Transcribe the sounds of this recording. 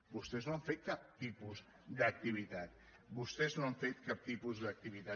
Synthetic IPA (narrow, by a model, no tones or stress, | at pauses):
bust̪ɛznoaɱfet̪̚kap̚t̪ipuz | d̪ək̚t̪iβ̞it̪at̪̚ | bust̪ɛznoaɱfet̪̚kap̚t̪ipuzðək̚t̪iβit̪a